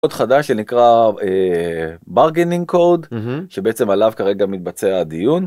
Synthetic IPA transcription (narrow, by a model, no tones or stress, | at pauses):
od̪χadaʃenikʁae | baʁɡeniŋkʰold̪ʃebeet͡se̞malavkaʁe̞ɡamit̪̚bat͡sead̪ijun